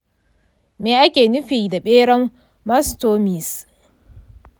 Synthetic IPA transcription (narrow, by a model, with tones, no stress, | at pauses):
meː˨ʔa˦kʲeː˨nʊ˦ɸiː˨da˨ɓeː˦ɽɐ˦mː | a˦stoː˦mi˨s